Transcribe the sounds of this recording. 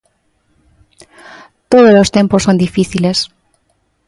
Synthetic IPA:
t̪oð̞ozlost̪ẽ̞mposond̪ifiθiles

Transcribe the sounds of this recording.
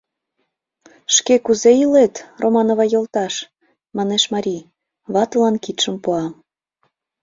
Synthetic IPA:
ʃkekuzeilet̪rʔomɑnoβɑjolˠt̪ɑʃ | mɑneʃmɑɾʲi | βɑt̪ɤlɑnkit̪ʃəmpuɑm

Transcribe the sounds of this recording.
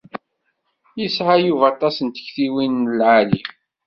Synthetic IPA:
jisʕajuvæt̪ˤɑsənt̪ə̥çθiwinəlʕali

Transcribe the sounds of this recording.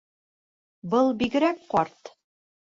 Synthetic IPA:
bɤlˠbiɡɘ̆ɾæk̚qɒɾt̪

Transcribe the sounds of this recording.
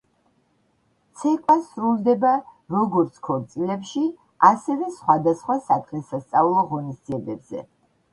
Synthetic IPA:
t̪sʰɛkʼwasɾulˠd̪ɛbaɾɔɡɔɾt̪sʰkʰɔɾt̪sʼilɛpʃi | asɛvɛsχwad̪asχwasat̪ʰχɛsast̪sʼaulˠɔʁɔnisd̪ziɛbɛbz̥ɛ̰

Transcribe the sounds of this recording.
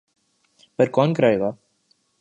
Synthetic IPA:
pɐɾkɔːnkɾaːjʋa

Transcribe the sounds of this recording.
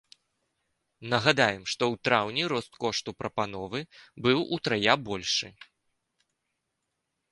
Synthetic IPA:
nɐɣad̪ajɛmʂt̪ɔwt̪ɾawnʲiɾɔst̪kɔʂt̪upɾɐpan̪ɔvɨbɨwut̪ɾajabɔlʲʂɨ

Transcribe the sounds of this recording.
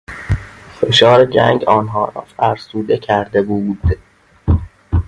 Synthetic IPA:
fe̞ʃɒːɾed͡ʒæŋɡɒːnɦɒːɾɒ̰ːfæɾsuːd̪ecʰæɾd̪e̞buːd̪̥

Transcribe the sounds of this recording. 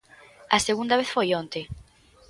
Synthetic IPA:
aseɣund̪aβ̞eθfojont̪e

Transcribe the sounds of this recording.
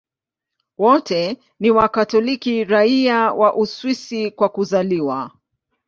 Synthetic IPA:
wɔtɛ | niwakatɔlikiɾaiawʔaʔuswisikwakuzaliwa

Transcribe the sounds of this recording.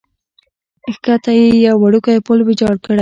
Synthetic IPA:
xkat̪ajejawːaɽukajpolbɪd͡ʒɑɽkəɽa

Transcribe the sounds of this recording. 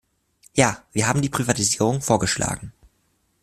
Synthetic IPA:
jaːviːɐɦaːbm̩diːpʁ̥ivatiziːʁ̞ʊŋfoːɐɡəʃla̰ːɡŋ̩

